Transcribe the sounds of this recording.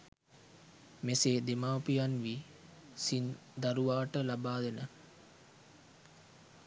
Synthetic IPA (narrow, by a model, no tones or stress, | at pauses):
meseːd̪emaːwpijanʋi | sin | d̪aɾuʋaːʈəlabaːd̪enə